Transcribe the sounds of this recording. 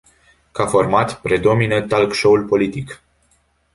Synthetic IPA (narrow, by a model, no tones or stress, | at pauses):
kafo̞rmat̪pɾed̪o̞minət̪alkʃoulpo̞lit̪ik